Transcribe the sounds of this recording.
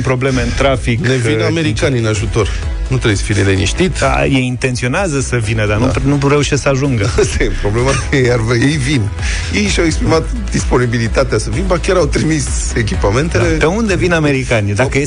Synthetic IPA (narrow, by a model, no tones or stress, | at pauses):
pɾo̞ble̞meɨnt̪ɾafiknviname̞ɾikaniɨnaʒut̪o̞r | nut̪ɾejesə̥filelenḭʃt̪it̪a̰jejint̪ent̪sio̞neazəsəvinəd̪anunuɾe̞uʃessəaʒuŋɡəst̪epɾo̞blemaejarvejejvin | jejʃawekspɾimat̪ | d̪ispo̞nibilit̪at̪easəvinbakʲjaɾawt̪ɾimis | ek̬ʲipame̞nt̪eled̪eund̪e̞viname̞ɾikanid̪akəe